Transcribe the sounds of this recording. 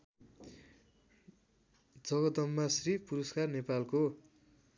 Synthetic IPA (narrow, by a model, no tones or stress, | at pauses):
d͡zʌɡʌd̪ʌmːasripuɾʌskarnepalko